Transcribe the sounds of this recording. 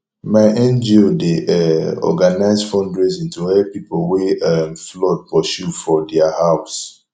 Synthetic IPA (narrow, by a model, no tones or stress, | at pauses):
maɪʔɛ̃nd͡ʒiodeʔɛɔ̰ɡanaɪzfɔ̃ndɹezĩntuwɛpipoweɛmflɔd̚pɔʃufɔdɛahaʊs